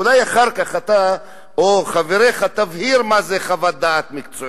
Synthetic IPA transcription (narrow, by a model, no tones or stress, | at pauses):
ulajaχaʁkaχat̪a | oχaveɾeχat̪avhiɾmazeχavad̪aːt̪mikt͡so